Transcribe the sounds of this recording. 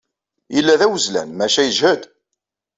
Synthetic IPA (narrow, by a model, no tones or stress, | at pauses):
ilːæðæwəzlæ̰nmæʃæjəʒhəd̪